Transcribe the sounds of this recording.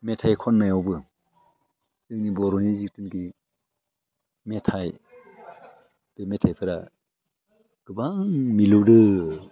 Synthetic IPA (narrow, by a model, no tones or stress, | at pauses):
metʰajkʰɔnːajɔwbɯ | ɯŋnibɔɾɔnizik̚tɯnki | metʰaj | b̥emetʰajpʰɯɾa | ɡ̥ɯbaŋmilɯwdɯ